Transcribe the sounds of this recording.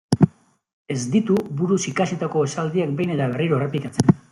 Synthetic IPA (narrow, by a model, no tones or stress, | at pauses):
e̞zd̪it̪uβuɾusikaset̪ako̞esald̪iakbejne̞t̪aβ̞e̞riɾo̞e̞re̞plikat͡sen